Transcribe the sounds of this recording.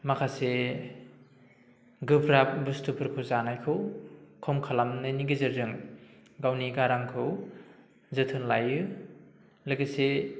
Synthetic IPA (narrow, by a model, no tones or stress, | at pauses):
makʰase | ɡɯpʰɾap̚bustʰupʰɯɾpʰɯzanajkʰɯwkʰɔmkʰalamnɯniɡɯzɯɾzɯŋɡawniɡaɾaŋkʰɯw | zɯtʰɯnlajɯ | lɯɡise